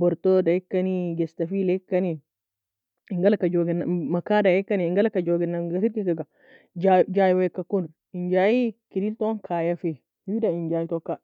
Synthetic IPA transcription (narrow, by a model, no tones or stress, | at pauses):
bɔɾt̪ɔdajikːaniɡɛstafilaikːani | iŋɡalakad͡ʒoɡɛnːamakadajɛkːaniiŋɡalakad͡ʒoɡɛnːaɡasiɾkikaɡa | d͡ʒad͡ʒajiwakːakunɾ | iɲd͡ʒajikidiltɔnkʰajafe | widaiɲd͡ʒaitɔkːa